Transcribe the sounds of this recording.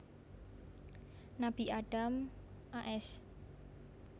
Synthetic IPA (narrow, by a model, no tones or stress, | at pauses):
nab̥iʔaɖ̥amʔaʔɛs